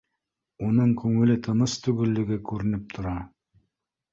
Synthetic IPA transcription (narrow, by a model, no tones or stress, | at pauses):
unɤɴkʉŋɘ̆lɘt̪ʰɤ̆nɤst̪ʉɡɘ̆lːɘ̆ɡɘkʉɾɘ̆nɘp̚t̪ʰŏɾɑ